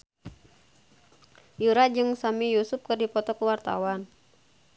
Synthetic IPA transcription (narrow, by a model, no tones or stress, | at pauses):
juɾad͡ʒɨŋsamijusʊp̚kɨrdipɔt̪ɔkuwart̪a̰wan